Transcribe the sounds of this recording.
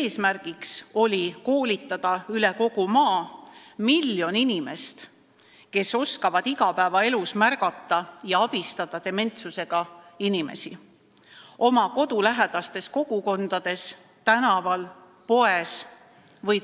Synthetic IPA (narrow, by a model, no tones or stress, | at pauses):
eːsmærɡ̥ikso̞lʲiko̞ːlʲit̪ˑːɑd̪̥ɑyleko̞ɡ̥umɑːmiljo̞ninime̞st̪ | ke̞so̞skɑvɑd̪iɡɑpæːvɑe̞lusmærɡ̥ɑt̪ːˑɑjɑɑb̥ist̪ɑd̪̥ɑt̪e̞me̞nt̪suse̞ɡ̥ɑinime̞̰si | o̞mɑko̞d̪ulæɦed̪̥ɑst̪e̞sko̞ɡ̥uko̞nd̪̥ɑd̪̥e̞s | t̪ænɑvɑl | po̞e̞s | vɤj